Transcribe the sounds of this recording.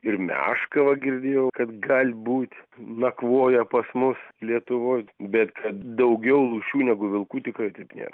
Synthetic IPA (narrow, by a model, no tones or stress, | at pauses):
ɪrmʲæ̰ʃkɐʋɐɡʲɪɾʲd̪ʲeːjɛʊkɐt̪ɡɐlʲbuːt̪ʲnɐkʋoːjɛpɐsmʊslʲiɛt̪ʊʋoːjbʲɛt̪kʰɐt̪d̪ɐʊɡʲɛʊlˠuːʃʲuːnʲæɡʊʋʲɪlˠkuːt̪ʲɪkrɐɪt̪ɐɪpnʲḛːɾɐ